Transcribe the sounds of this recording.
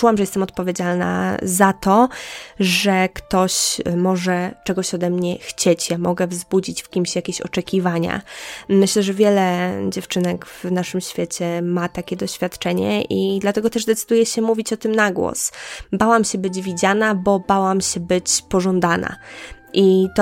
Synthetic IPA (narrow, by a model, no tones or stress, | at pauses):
uwamʐɛjɛst̪ɛmɔt̪̚pɔvʲjed͡ʑalna̰zat̪ɔ | ʐɛkt̪ɔɕmɔʐɛt͡ʂɛɡɔɕɔd̪ɛmɲɛxt͡ɕet͡ɕjamɔɡɛvzbud͡ʑit͡ɕfkʲimɕjakʲeɕɔ̰t͡ʂɛkʲivaɲa̰mɘɕlɛʐɛvʲjɛlɛd͡ʑɛft͡ʂɘnɛɡv̥naʂɘmɕfʲjet͡ɕɛmat̪akʲɛd̪ɔɕfʲjat̪t͡ʂɛɲɛ̰ʔid̪lat̪ɛɡɔt̪ɛʐd̪ɛt̪sɨd̪ujɛɕɛmuvʲit͡ɕɔt̪ɘmnaɡwɔ̰sbawamɕɛbɘd͡ʑvʲid͡ʑanabɔbawamɕɛbɘt͡ɕpɔʐɔnd̪ana̰ | ʔit̪